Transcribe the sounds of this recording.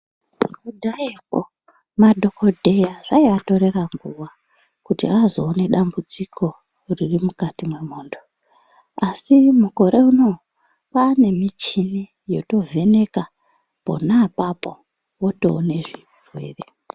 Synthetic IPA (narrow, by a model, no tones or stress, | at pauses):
mudʱaepo | madʱo̞ko̞dʱe̞jaʐaiato̞ɾe̞raŋɡuwa | kutḭazo̞ːne̞ɗambud͡zikʰo̞ | ririmukatimwe̞moːndo | asimuko̞ɾe̞uno̞ | pane̞mit͡ʃini | jo̞to̞vʱe̞ne̞ka | po̞̰naːpapo | woto̞ːne̞ʐi | rwe̞̰ːre